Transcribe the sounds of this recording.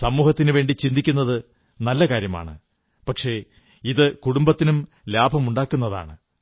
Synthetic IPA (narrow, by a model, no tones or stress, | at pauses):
sɐmuːhɐt̪ːinɨʋe̞ːɳɖit͡ɕind̪ikʲːunːɐðɨ | nɐlːɐkaːɾjɐma̰ːɳɨ̰ | pɐkʂe̞ | iðɨkuɽumbɐt̪ːinum | laːbʱɐmuɳɖaːkːunːɐða̰ːɳɨ